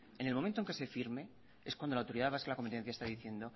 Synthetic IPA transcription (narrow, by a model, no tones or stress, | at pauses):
e̞nelmoment̪oe̞ŋkese̞fiɾme̞ | e̞skwand̪olawt̪oɾiðaβaskelako̞mpet̪e̞n̟θjaest̪aðiθje̞nd̪o̞